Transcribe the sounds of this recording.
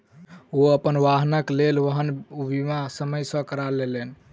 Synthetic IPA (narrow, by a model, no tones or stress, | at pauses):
oəpənʋaɦnəklelʋəɦənbimasəməjsə̃kəɾalelen